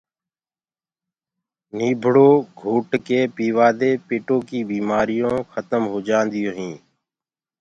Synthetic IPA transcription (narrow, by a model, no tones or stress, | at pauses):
niːbʱɽoːɡʱuːʈkeːpiːʋaːd̪eːpɪːʈõːkiːbiːmaːɾɪjõːxʰət̪əmɦoːd͡ʒãːnd̪ɪjõːɦĩː